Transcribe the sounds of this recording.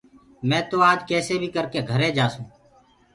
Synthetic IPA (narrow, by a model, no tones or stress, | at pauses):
mɛ̃ːt̪oːaːd͡ʒkɛːseːbʱiːkəɾkeːɡʱəɾẽːd͡ʒaːsũː